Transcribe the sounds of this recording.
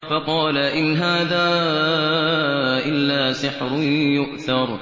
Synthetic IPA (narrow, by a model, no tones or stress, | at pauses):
fɑqɑːlaʔɪnɦaːðaː | ʔɪlːaːsɪħɾʊnjʊʔθɑɾˤ